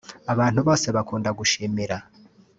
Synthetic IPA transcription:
aβaːn̥huβoːseβakuːndaɡuʃiːmiɾa

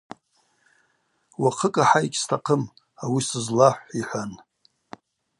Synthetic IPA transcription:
waqʰəkʼaħajkʲʼstʰaqʰəm | awisɨzlaħʷiħʷan

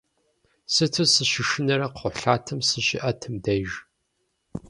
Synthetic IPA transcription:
sɨtʰɨsɨɕɪʃɪnɐɾɐqʰʊɬaːtʰɨmsɨʃɪʔɐtʰɨmdɐʒ

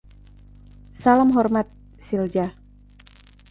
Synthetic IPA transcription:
saləmɦɔrmat̪̚ | sild͡ʒa

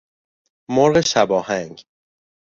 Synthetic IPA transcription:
moɾɢe̞ʃæbɒːhæŋɡ

